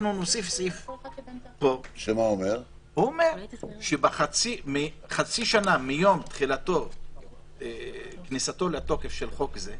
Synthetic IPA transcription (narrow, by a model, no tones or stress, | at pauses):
nunosifsif | poʃemaomeʁ | huomeʁʃebaχat͡simiχat͡siʃanamijo̞mt̪χilat̪o | eknisat̪o̞leat̪o̞kefʃelχo̞kze